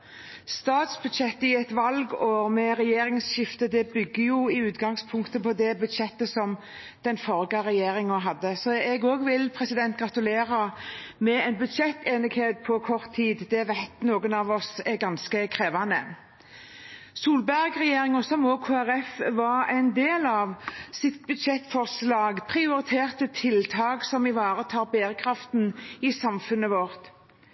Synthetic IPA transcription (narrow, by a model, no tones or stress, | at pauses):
st̪ɑːt̪sbʉd̪ʃɛt̪ːɪɛt̪ʋɑlɡɔmɛɾɛjeːɾɪŋsɕɪft̪əd̪ɛbʏɡːəjʊɪʉːt̪ɡɑŋspʰʊŋkt̪əpʰɔd̪ɛbʉd̪ʃɛt̪ːəsɔm | d̪̥ɛnfɔʁɡɑɾɛjeːɾɪŋəɦɑd̪ːəsɔɛɡoːɡʋɪlpʰʁɛsɪd̪ɛnt̪̚ɡɾɑt̪ʉleːɾɑmɛɛɪnbʉd̪ʃɛt̪ːeːnɪɡheːt̪̚pʰɔkʰɔʁt̪ʰːiːd̪d̪ɛʋæɪt̪noːɡənɑʋɔsɛɡɑnskəkʰɾeːʋɑnə | suːlbæʁɡʁɛjeːɾɪŋɔsɔmɔːkʰoːæɾɛfʋɑʁɛɪnd̪eːlɑʋsɪt̪̚bʉd̪ʃɛt̪ːfɔʁslɑːɡpʰʁɪʊɾɪt̪ʰeːʁt̪ət̪ʰɪlt̪ʰɑːɡsɔmɪʋɑːɾət̪ʰɑːɾbeːɾəkʰɾɑft̪nɪsɑmfʉnːəʋɔɾt̪